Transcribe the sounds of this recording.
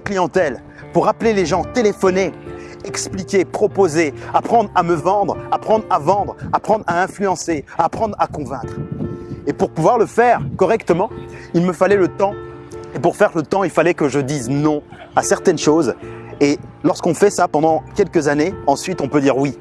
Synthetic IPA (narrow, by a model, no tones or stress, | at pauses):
klijɑ̃t̪ɛl | puʁapleleʒɑ̃t̪elefɔne | ɛksplikʲepχɔpozeapχɑ̃d̪ʁaməvɑ̃d̪ʁapχɑ̃d̪ʁavɑ̃d̪ʁapχɑ̃d̪ʁaɛ̃flyɑ̃seaːpχɑ̃d̪ʁakɔ̃vɛ̃kχepuʁpuvwaʁləfɛʁkɔʁɛkt̪əmɑ̃ilməfalɛlət̪ɑ̃epuʁfɛʁlət̪ɑ̃ilfalɛkəʒəd̪iznɔ̃ | asɛʁt̪ɛnʃozelɔʁskɔ̃fɛsapɑ̃d̪ɑ̃kʲɛlkəzaneɑ̃sɥit̪ɔ̃pød̪iʁwi